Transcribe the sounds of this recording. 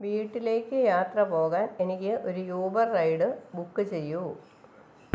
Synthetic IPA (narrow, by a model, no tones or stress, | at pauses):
ʋiːʈːile̞ːkʲːɨjaːt̪rɐpo̞ːɣaːne̞nikʲːɨʔo̞ɾujuːbɐrːɐjɖɨbukːɨt͡ɕe̞jːu